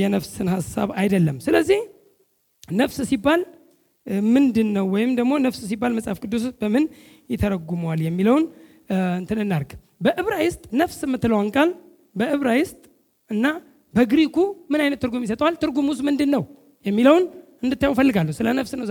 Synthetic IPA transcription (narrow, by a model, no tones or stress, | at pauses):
jɛnəfsɨnhasːa̰βajd̪əlːəmsɨləzːih | nəfssibːal | mɨnd̪ɨnːəwːɔjɪmd̪əɡmo̞nəfss̬ibːalməsʼafkʼɨd̪ːus̬bəmɨn | jɪt̪ʰəɾəɡuməwaljɛmːiləwn | ɨnt̪ʰɨnɨnːaɾɡ | bəʔɨβɾajɪst̪ʼnəfsɨmːɨt̪ːɨləwaŋkʼal | bəʔɨβɾajɪst̪ʼ | ɨnːa | bəɡɨɾikumɨnajnət̪ːɨɾɡumjis̬ət̪ʼwalt̪ʰɨɾɡumusmɨnd̪ɨnːəw | jɛmːiləwn | ɨnd̪ɨt̪ːajwfəlːɨɡalːəwsɨlənəfsnəwz